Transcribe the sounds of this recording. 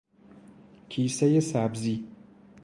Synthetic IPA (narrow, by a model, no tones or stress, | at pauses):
kʰiːsajesabzi